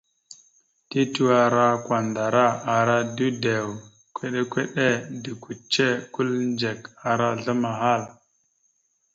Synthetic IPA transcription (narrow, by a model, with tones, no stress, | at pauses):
ti˦tu˦wa˨ɾa˦kwa˨nda˨ɾa˦a˨ɾa˦du˦de˨w | kʷe˦ɗe˦kʷe˦ɗe˦di˨ku˨t͡ʃːe˦ku˦lnd͡ʒe˨ka˨ɾa˦ɮa˦ma˨ɦa˦˨l